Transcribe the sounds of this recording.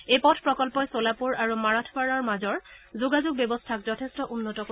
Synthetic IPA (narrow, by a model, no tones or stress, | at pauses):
ejpɔtʰpɹɔkɔlpɔjsolapuɹaɹumaɹatʰbaɹɔɹmazɔɹzuɡazuɡ̚bɛbɔstʰakzɔtʰestɔʔunːɔtɔk